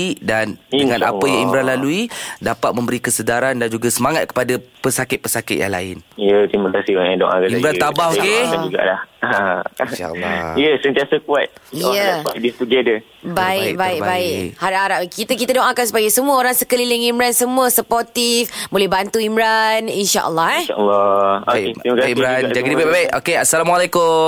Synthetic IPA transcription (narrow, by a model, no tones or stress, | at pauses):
idanəŋãna̰pəjaŋimɾanlaluidapat̪̚mə̃mbəɾikəsədaɾandand͡ʒuɡasəmaŋat̪̚kə̥padapəsakɪt̪̚pəsakɪt̪̚ja̰ŋla̰ɪ̰nijət̪ɾimakasioãdo̰ʔa̰kaimɾanabahokead͡ʒuɡa̰lahãʃa̰ʔə̰lːa̰ijəsənt̪iasəkuat̪̚əadist̪uɡɛdə | baiɪkbaik̚baɪkhaɾaʔaɾaʔkit̪əkit̪adoŋʔãkans̬ə̥paɡajsəmũəoɾaŋsəkəlilɪŋimɾansəmũəsəpɔrt̪ifbolɛhbant̪uimɾaninʃaʔə̰lːɔhɛa̰ʔlːɔoeɾimakaimɾand͡ʒaɡidibajbabajʔokeasalamwalekʊ